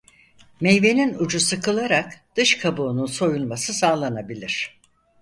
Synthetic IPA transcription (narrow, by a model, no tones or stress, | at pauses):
mejve̞ninud͡ʒusɯkʰɯlˠaɾakd̪̥ɯʃkʰabuːnunso̞julˠmasɯsaːlˠanabilʲiɾ̝̥